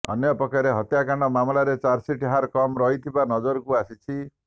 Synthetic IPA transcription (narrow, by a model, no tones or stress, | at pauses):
ɔ̰njɔpɔkaɾeɦɔt̪jakaɳɖɔmamlaɾet͡ʃaɾsiʈɦaɾkɔmɾɔɦit̪ʰibanɔd͡ʒoɾkuasit͡ʃʰi